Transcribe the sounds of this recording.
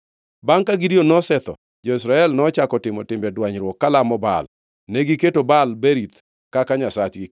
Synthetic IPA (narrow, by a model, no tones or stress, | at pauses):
baŋkaɡidionɔsɛt̪ɔ̰ | d͡ʒɔis̬ɾaɛlnɔt͡ʃakɔtɪmɔtɪmbɛdwaɲɾwɔkːalamɔba̰l | nɛɡiketobalbeɾit̪ | kakaɲasat͡ʃɡɪ